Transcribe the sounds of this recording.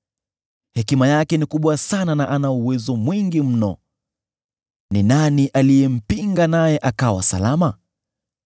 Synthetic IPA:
hɛkimajakɛnikuɓwasananaʔanauwɛzɔmwiŋɡim̩nɔ̰ | ninaniʔalijɛm̩piŋɡanajɛʔakawa̰sa̰lama

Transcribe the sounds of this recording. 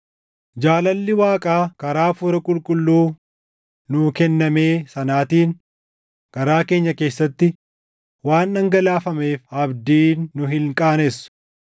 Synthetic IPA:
d͡ʒaːlɐlːɪwaːkʼaːkɐɾaːfuːɾɐkʼʊlkʼʊlːuː | nʊkɛnːɐme̞ːsɐnaːt̪iːn | kɐɾaːke̞ːɲːɐke̞ːsːɐt̪ːɪ | waːnːɐŋɡɐlaːfɐme̞ːfɐbd̪iːnːʊɦɪŋkʼaːnɛsʊ̥

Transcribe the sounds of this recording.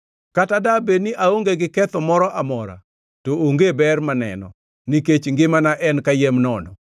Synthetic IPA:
katadabeniʔaoŋɡeɡɪkɛt̪ɔmɔɾɔʔamɔɾa̰ | tooŋɡebɛrmanɛ̰nɔ̰ | niket͡ʃŋɡɪmanaʔɛnkajemnɔnɔ

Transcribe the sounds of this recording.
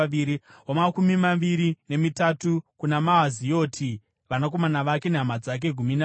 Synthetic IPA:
iɾiɦomakumimaʋiɾine̞mitatukunamaɦazijo̞ːtʰi | ʋanak̬o̞manaʋake̞neɦamad͡zak̬e̞ɡʱumina

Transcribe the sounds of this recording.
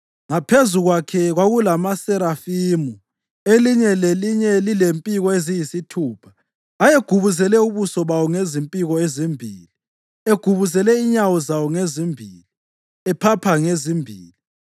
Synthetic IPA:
ŋapʰezuɣwakʰɛɣwaɣulamasɛɾafimu | eliɲɛleliɲɛlilempʼiɣɔezijisitʰuːpʰḁ | ajeɡ̥ʱuβuzɛlɛuβusɔβawɔŋezimpʼiɣɔezimbʱḭːli | eɡ̥ʱuβuzɛlɛiɲawɔzawɔŋezimbʱiːli | ɛpʰapʰaŋezimbʱiːli

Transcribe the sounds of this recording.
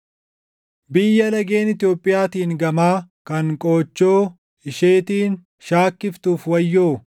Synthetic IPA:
bɪjːɐlɐɡe̞ːnɪt̪ɪjoːpʼːɪjaːt̪iːŋɡɐmaːkɐŋkʼoːt͡ʃːoː | ɪʃeːt̪iːn | ʃaːkːɪft̪uːfwɐjːoː

